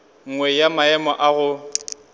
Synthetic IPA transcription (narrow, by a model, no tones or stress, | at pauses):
ŋ̩ŋwɛjamaɛmɔʔaɣʊ